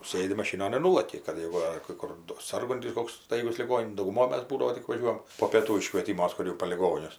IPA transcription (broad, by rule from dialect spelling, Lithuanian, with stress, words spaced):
ˈsɘdʲɪ mɐˈʃʲiːnoːn ɪr ˈnuːlˠɐkʲɪ kɐt ˈjeːɡʊ ɐr kɐɪ ˈkʊr doː ˈsɐrɡʊnʲtʲɪs ˈkoːks ˈstɐɪɡʊs lʲɪˈɡoːnʲ dɐʊɡʊˈmoːj ˈmɐs ˈbuːdɐʋoː tʲɪk ʋɐˈʒʲuɔjɛm poː pʲeːˈtuː ɪʃkʋʲeːˈtʲɪmuɔs ˈkʊr jɛʊ poː lʲɪˈɡoːnʲʊs